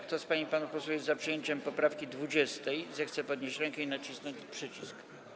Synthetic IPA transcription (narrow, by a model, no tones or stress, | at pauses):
kt̪ɔspaɲipanupɔswujɛzt̪zapʂɨjeɲt͡ɕɛmpɔpɾafkʲid̪vud͡ʑɛst̪ɛjzɛxt̪sɛpɔd̪ɲeɕt͡ɕɾɛŋkɛinat͡ɕisnɔɲt͡ɕpʂɘt͡ɕisk